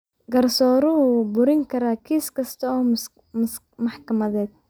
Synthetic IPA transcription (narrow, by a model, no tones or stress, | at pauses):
ɡɐrsɔːɾʊɦʊbʊɾɪŋkʰɐɾaːkʰiːskʰɐst̪ʰɐɔː | mɑħkʰɐmɐðɛːd̪̚